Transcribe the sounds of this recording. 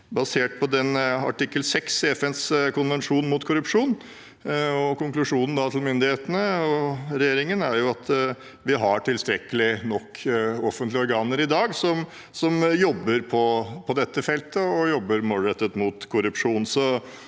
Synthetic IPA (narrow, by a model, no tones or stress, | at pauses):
bɑseːʈ̚pʰɔd̪ɛnɑ̰ʈɪkːəlsɛksɛfɛnskʊnʋɛnʂuːnmʊt̪kʰʊɾʉpʂuːn | ɔkʊŋklʉʂuːnən̩d̪ɑt̪ʰɪlmʏnd̪ɪheːt̪ənəɔɾɛjeːɾɪŋənæɾjʊɑt̪ | ʋɪɦɑʈɪlst̪ɾɛkːəlɪnɔkʰːɔfənt̪lɪɔɾɡɑːnəɾɪd̪ɑːɡsɔm | sɔmjɔbːəɾpʰɔpʰɔd̪ɛt̪ːəfɛlt̪əɔjɔbːəɾmoːlɾɛt̪ːət̪mʊt̪kʰʊɾʉpʂuːnsɔ